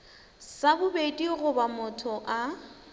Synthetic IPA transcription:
sabʊbedʼiɣʊbamʊtʰɔʔa

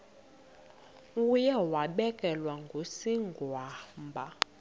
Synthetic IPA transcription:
ujɛwaɓɛkʼɛlwaŋɡʱosiŋɡʱwaːmbʱa

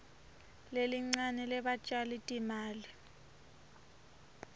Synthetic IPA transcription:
leliŋ͡ǀanɛlɛɓat͡ʃʼalitʼimaːli

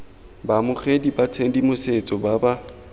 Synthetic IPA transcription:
bamʊχedibat͡sʰendimʊset͡sʼɔbaba

